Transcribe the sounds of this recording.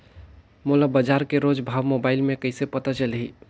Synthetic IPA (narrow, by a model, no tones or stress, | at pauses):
molabəd͡ʒaːɾkeɾoːd͡ʒbʱaːʋmoːbaːɪlmẽkəɪsepət̪at͡ʃəlɦiː